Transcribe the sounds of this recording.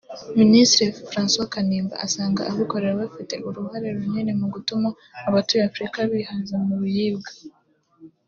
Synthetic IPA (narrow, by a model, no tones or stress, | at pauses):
ministɾifɾaːnswakaniːmba̰ʔasaːŋɡa̰ʔaβuko̞ɾe̞ɾaβafite̞ʔuɾuhaɾe̞ɾuɲene̞muɡutumaː | βatujafɾikaβihazemuβujiːbɡḁ